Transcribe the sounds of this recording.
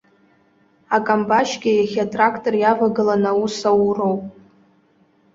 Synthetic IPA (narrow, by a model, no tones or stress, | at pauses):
akʼambaʃɡʲɪjaχʲatʼrakʰtʼorjavaɡɨlanausawro̞wpʼ